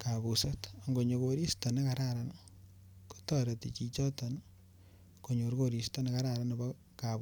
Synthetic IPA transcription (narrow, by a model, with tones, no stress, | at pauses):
ka˨βu˨sa˦ta˨ŋɡo˨ɲo˨ko˨ɾi˦sto˨ne˦kaɾaɾan | ko̥˦tɔ˦ɾe˨ti˨t͡ʃi˦t͡ʃɔ˦tɔ˨n | ko˨ɲo˨ɾkoɾi˨stɔ˦ne˦ka˦ɾaɾa˦ne˨bɔ˦ | kaβu˦